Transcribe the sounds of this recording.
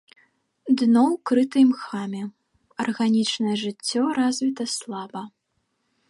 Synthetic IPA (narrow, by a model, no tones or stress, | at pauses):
d̪nɔwkɾɨt̪ɨjmxamʲɛ | ɐrɣanʲit͡ʂnɐjɛʐɨt͡sʲːɔɾazʲvʲit̪ɐslˠabɐ